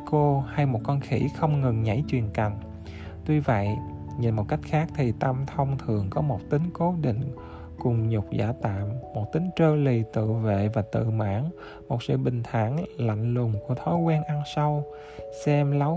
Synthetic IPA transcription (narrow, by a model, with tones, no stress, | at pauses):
ko˧ha˧jmo˨˩t̚kɔ˧nxi˧˩xə˧wŋ͡mŋɨ˨˩ŋɲə̰˧˩jt͡ɕwi˨˩ənka˨˩jŋ̟ | t̪wi˧və̰˧˨jɲi˨˩nmo˨˩ka˦˥jk̚xaː˦˥k̚t̪ʰi˨˩t̪a˧mt̪ʰə˧wŋ͡mt̪ʰɨ˨˩əŋkɔ˨˦mo˨˩t̚t̪ï˨˦ŋ̟ko˨˦ɗḭ˧˨ŋ̟ | kʊ˨˩ŋ͡mɲʊ˨˩k͡p̚za̰ː˧˩t̪a̰ː˧˨mːo˨˩t̚t̪ï˨˦ŋ̟t͡ɕəː˧li˨˩t̪ɨ̰˧˨vḛ˧˨vaː˨˩t̪ɨ̰˧˨ma̰ː˧˥ŋ | mo˨˩t̚sɨ̰˧˨ɓï˨˩ŋ̟t̪ʰaː˧˩nla̰˧˨jŋ̟lʊ˨˩ŋ͡mku˧˩ət̪ʰɔ˨˦jkwɛː˧nʔa˧nsa˧w | sɛ˧mla˨˦